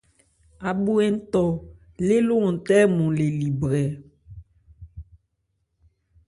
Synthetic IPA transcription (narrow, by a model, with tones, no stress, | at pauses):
a˨ɓu˦ɛ˦n˦t̪ɔ˨ | le˦lo˦ŋ˨t̪ɛ˦mũ˨le˨li˨bɾɛ˨